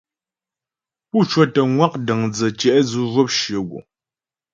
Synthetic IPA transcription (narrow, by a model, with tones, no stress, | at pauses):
pu˦˨t͡ʃwɔ˦tə˨ŋwa˦k̚də˨ŋd͡zə˨t͡ʃɛ˨ʔd͡zu˦vɔ˦p̚ʃə˨ɡṵ˨